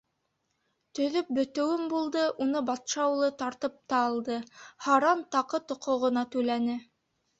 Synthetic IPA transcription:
t̪ɵ̆ðɵp̚bɵ̆t̪ɵ̆wɘmbulˠd̪ɤʔunɤbɑt̪ʃɑwlˠɤt̪ɑɾt̪ɤp̚t̪ɑːlˠd̪ɤhɑɾɑnt̪ɑqɤt̪ŏqŏʁɤ̆nɑt̪ʉlænɘ

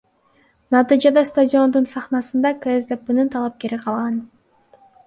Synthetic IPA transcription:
nɑt̪ɨjd͡ʒɑd̪ɑst̪adʲɪo̞nd̪unsɑχnɑsɯnd̪ɑkrezd̪epunɯnt̪ʰɑlˠɑp̚ke̞ɾiqʰɑlˠʁɑn

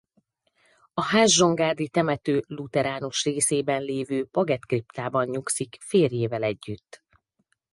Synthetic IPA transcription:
ɒhaʒʒo̞ŋɡaːd̪it̪ɛmɛt̪øːlut̪ɛɾaːnuʃreːseːbɛnleːvøːpɒɡɛt̪kript̪aːbɒɲɲuksikfeːrjeːvɛlɛɟːyt̪ː

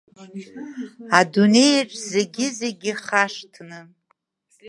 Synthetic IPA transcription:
adune̞jʈ͡ʂʷʼzeɡʲɪzeɡʲɪχaʂtʰnɨ

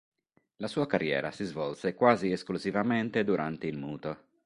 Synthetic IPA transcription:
lasuːakarːjɛ̰ːɾa̰sizvɔlsekwaːzieskluzivament̪ed̪uɾʔant̪eilmuːt̪o

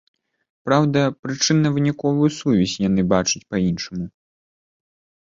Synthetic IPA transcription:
pɾawd̪ɐpɾɨt͡ʂɨnːɐvɨnʲikɔvujusuvʲisʲjan̪ɨbat͡ʂɐt͡sʲpɐinʂɐmu

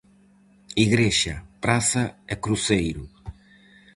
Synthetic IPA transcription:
iɣɾeʃapɾasaekɾusejɾu

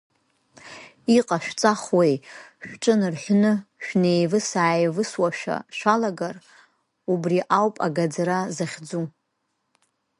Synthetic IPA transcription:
iqʼaʃᶣt͡sʼaχwejʃᶣʈ͡ʂʼɨnrħʷnɨʃᶣne̞jvɨsaːjvɨswaʃᶣa̰ʃʷᶣalaɡar | ubriʔawpʼa̰ɡad͡zaɾazaχʲd͡zu

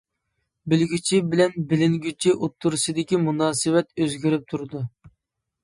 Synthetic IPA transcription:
bɪlɡʲyt͡ʃʰibɪlɛnbɪlɪŋɡʲyt͡ʃʰiʔut̪ʰːuɾusɨd̪ɪkʲimunɑːsɨwɛt̪øzɡʲiɾɪp̚t̪ʰuɾɨd̪u

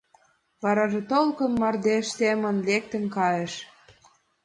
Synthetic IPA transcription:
βɑɾɑʒet̪olkɤ̆nmɑrd̪eʃsemə̆nlek̚t̪ə̆nkɑjeʃ

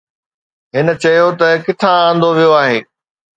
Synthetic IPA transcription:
ɦɪnə̆t͡ɕɐjot̪ɐkɪt̪ʰããːn̆d̪oʋijoaːɦẽː

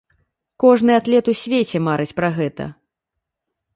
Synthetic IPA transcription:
kɔʐnɨat̪lʲɛt̪usʲvʲet͡sʲɛmaɾɨt͡sʲpɾaɣɛt̪ɐ̰

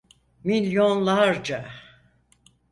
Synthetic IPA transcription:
milʲjonlˠaɾd͡ʒa

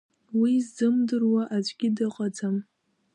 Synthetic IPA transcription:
wizːɨmdɨrwaʔad͡ʒʷɡʲɪdɨqʼad͡zam

